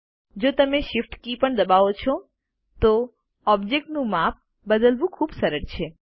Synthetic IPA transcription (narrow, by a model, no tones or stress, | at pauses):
d͡ʒot̪əmeʃɪfʈkipəɳd̪əbaʋot͡ʃʰo | t̪o | ɔbd͡ʒek̚ʈnũmap̚ | bəd̪əlʋũkʰuːbsəɾəɾt͡ʃʰe